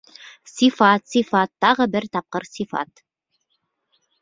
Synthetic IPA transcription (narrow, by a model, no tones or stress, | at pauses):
sifɑt̪sifɑt̪ːɑʁɤbɘɾt̪ɑp̚qɤɾsifɑ̰t̪